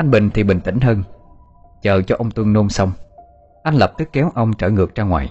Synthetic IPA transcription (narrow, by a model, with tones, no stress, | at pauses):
ʔa˧jŋ̟ɓï˨˩ŋ̟t̪ʰi˨˩ɓï˨˩ŋ̟t̪ï˧˩ŋ̟ɦəː˧n | t͡ɕəː˨˩t͡ɕɔ˧ʔə˧wŋ͡mt̪wɨ˧ŋno˧msə˧wŋ͡m | ʔa˧jŋ̟lə˨˩p̚t̪ɨ˦˥kːɛ˨˦wʔə˧wŋ͡mt͡ɕəː˧˩ŋɨ˨˩ək̚t͡ɕaː˧ŋwa̰ː˨˩˨j